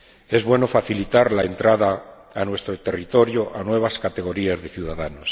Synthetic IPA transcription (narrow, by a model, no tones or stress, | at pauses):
e̞zβwe̞no̞faθilit̪aɾlae̞nt̪ɾaðaː | nwe̞st̪ɾo̞t̪e̞rit̪o̞ɾjoʔanwe̞β̞askat̪e̞ɣo̞ɾiazðe̞θjuðaðanos